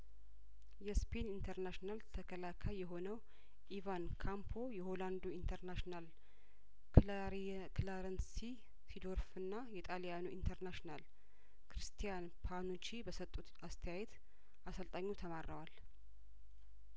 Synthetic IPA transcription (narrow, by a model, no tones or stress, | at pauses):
jɛspʰenint̪ʰəɾnaʃnalt̪ʰəkʰəlakʰajjɛɦo̞nəw | ʔivankʰampʰo̞jɛho̞land̪oint̪ʰəɾnaʃnal | klaɾənsi | sid̪o̞ɾfɨnːajɛt̪ʼalijanuint̪ʰəɾnaʃnal | kɾist̪ʰijanpʰanut͡ʃibəsət̪ʼːut̪ast̪ʰəjajɛt̪ | asəlt̪ʼaɲːut̪ʰəmarːəwal